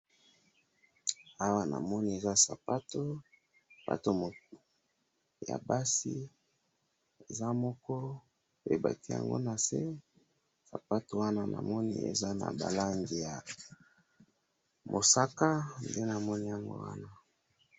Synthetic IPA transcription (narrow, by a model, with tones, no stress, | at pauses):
a˦wa˦na̰˨mɔ˦ni˦e˨za˦sa˨pa˦to˦˨ | ba̰˨to˦mo˨ | ja̰˨ba˦si˦ | e˨za˦mɔ˦kɔ˦ | pḛ˨ba˨ti˦ja̰˨ŋɡo̰˦na˨se˦ | sa˨pa˦to˨wa˦na˦na̰˨mɔ˦nḭ˦ḛ˨za˦na̰˨ba˨la˦ŋɡi˨ja˨ | mo˨sa˦ka˦nde˦na˨mɔ˦ni˦ja˨ŋɡo̰˦wa̰˦na˦